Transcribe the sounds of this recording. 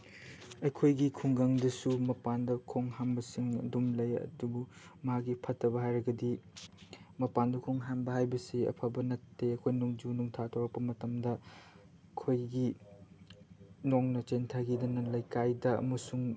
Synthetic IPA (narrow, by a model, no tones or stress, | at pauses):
ɐjkʰojɡikʰuŋɡaŋdɐsumɐpandɐkʰoŋhambɐsiŋɐ̰dumlɐjɐ̰dubu | mɐɦak̚ːipʰɐtʰːɐbɐɦajɾɐɡɐdi | mɐpandɐkʰoŋɦambɐɦajbɐsiɐ̰pʰabɐnɐtːeɐkʰojnuŋd͡ʒunuŋtʰatʰowɾɐk̚pːɐmɐtɐmdɐ | kʰojɡi | noŋnɐt͡ʃentʰaɡidɐnɐlɐjkajdɐɐ̰mɐsuŋ